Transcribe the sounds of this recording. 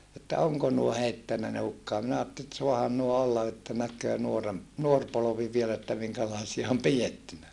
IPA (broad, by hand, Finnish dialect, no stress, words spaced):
etːæ oŋko nuo heitːænːæ ne hukːɑː minæ ɑːtːeli et suɑhɑn nuo olːɑ etːæ nækˑøː nuorem nuor poloʋi ʋiel etːæ miŋkælɑːsiɑ om pijetːynæ